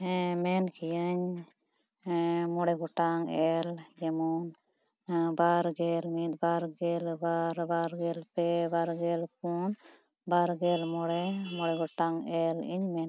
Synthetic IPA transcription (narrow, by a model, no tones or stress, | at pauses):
mɛnkijəɲ | mɔɽɛɡɔʈaŋɛld͡ʒɛmɔn | baɾɡɛlmit̪̚baɾɡɛlbaɾbaɾɡɛlpɛbaɾɡɛlp̚un | baɾɡɛlmɔɽɛmɔɽɛɡɔʈaŋɛlḭɲmɛn